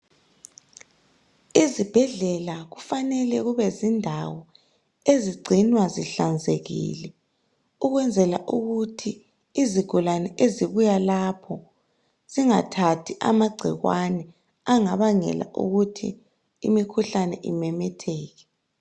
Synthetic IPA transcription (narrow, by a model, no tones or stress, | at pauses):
izib̥ʱɛɮɛlaɣufanɛlɛɣuβɛzindʱawɔ | eziɡ͡ǀʱinwaziɬand͡zʱeɣḭlɛ | uɣwɛnd͡zʱɛlaʔuɣutʰiː | ziɡ̥ʱulanɛʔeziβujalapʰɔ | z̥iŋatʰatʰiʔa̰maɡ͡ǀʱiɣwanɛ | aŋaβaŋɛ̰la̰ʔṵɣutʰḭː | mikʰuɬanɛʔḭmɛmɛtʰɛːɣɛ